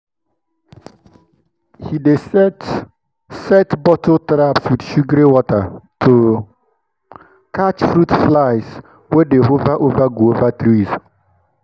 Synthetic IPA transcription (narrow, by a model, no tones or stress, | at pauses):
hide | sɛtbɔtʰotɾapswɪdʃuɡɾewɔtatʰo | kat͡ʃfɾutflaɪs | wedeɦovaʔovaɡuovatɾiz